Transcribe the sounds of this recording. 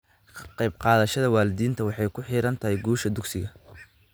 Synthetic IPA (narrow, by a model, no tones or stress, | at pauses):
qɛjb̚qɑːðɐʃɐðɐwɑːlɪðiːnt̪ʰɐwɑħɑjkʰʊħiːɾɐnt̪ʰɐhɛjɡuːʃɐd̪ʊksɪɣɐ